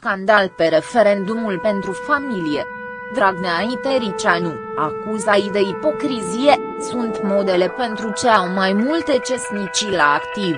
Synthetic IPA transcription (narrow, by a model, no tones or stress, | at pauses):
sskand̪alpe̞ɾe̞fe̞ɾe̞nd̪umulpe̞nt̪ɾufamilije̞ | d̪ɾaɡneait̪eɾit͡ʃanu | akuzajd̪e̞ipo̞kɾizije̞ | sunt̪mo̞d̪e̞le̞pe̞nt̪ɾut͡ʃeawmajmult̪e̞t͡ʃe̞snit͡ʃilaːkt̪iv